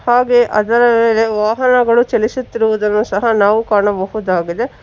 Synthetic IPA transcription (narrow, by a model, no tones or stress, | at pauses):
haːɡe̞ʔɐd̪ɐɾɐʋeːle̞ʋaːɦɐnɐɡɐɭut͡ʃɛlisut̪ːiɾuʋud̪ɐnːusɐɦɐnaːʋukaːɳɐbɐɦud̪aːɡid̪e̞